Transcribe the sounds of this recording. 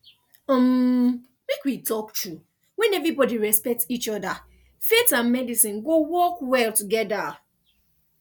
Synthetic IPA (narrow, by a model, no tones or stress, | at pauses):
m | mekwitɔktʰu | wɛ̃nɛvɹibɔdiɹɛspɛk̚tsit͡ʃɔda | fetãnmɛdisĩnɡowɔkwɛltuɡɛda